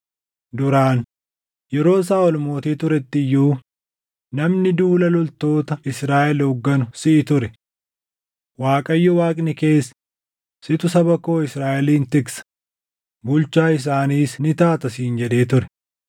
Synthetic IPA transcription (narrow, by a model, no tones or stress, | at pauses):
d̪ʊɾaːn | jɛɾo̞ːs̬aːɔlmo̞ːt̪iːt̪ʊɾɛt̪ːɪjːuː | nɐmnɪd̪uːlɐlɔlt̪o̞ːt̪ɐɪsɾaːʔɛlɔɡːɐnʊsɪʔɪt̪ʊɾɛ | waːkʼɐjːɔwaːkʼnɪke̞ːs | sɪt̪ʊsɐbɐko̞ːɪsɾaːʔɛliːnt̪ɪɡsɐ̥ | bʊlt͡ʃaːɪs̬aːniːsnɪt̪aːt̪ɐs̬iːnd͡ʒɛd̪e̞ːt̪ʊɾɛ̥